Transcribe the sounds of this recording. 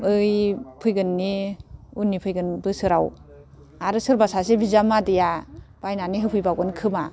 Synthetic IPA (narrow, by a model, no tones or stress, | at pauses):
ɯjpʰɯjɡɯnːiunːipʰɯjɡɯnbɯsɯɾaw | aɾɯsɯɾbasasebizamadijab̥ajnaniɦɯpʰɯjbaɡɯnkʰɯma